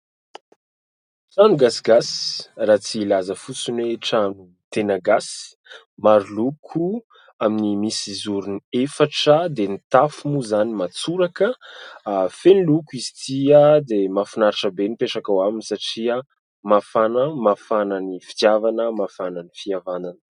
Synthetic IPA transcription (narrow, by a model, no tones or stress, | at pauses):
ʈ͡ʂanuɡasiɡasraːt͡silazəfut͡sunweʈ͡ʂanu | t̪enaɡas | maɾlukʰu | aminimisizuɾuniefaʈ͡ʂəd̪enit̪afumuzanimat͡suɾakə | fenilukuizi̥t̪iad̪emafinaɾiʈ͡ʂəbenipeʈ͡ʂakawaminisaʈ͡ʂiə | mafanəmafananifit̪javanəmafananifiavananə̥